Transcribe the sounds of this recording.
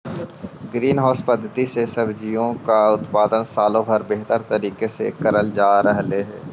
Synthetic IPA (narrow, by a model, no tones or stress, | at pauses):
ɡɾiːnɦɔːspəd̪ʱt̪isesɐbd͡ʒɪjõkaʊt̪paːd̪ənsaːlõbʱəɾbeɦt̪əɾt̪əɾiːkesḛkəɾəld͡ʒaːɾəɦleɦɛː